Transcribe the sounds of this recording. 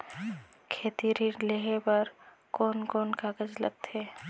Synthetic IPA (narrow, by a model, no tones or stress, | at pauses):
kʰeːt̪iɾileɦepɐɾ | kɔːnkɔːnkaɡəd͡ʒlə̰ɡ̚t̪ɦɛː